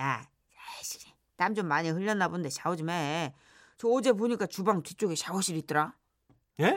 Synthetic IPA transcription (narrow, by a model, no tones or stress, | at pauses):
ja | ɕi̥i | tamd͡ʑomːaɲiɦɯʎːʌnːabonndet͡ɕaod͡ʑime | t͡ɕoːd͡ʑe̞p̬oɲik͈at͡ɕubaŋtɥit͡ɕ͈oɡet͡ɕaoɕʰiɾit͈ɯɾa | je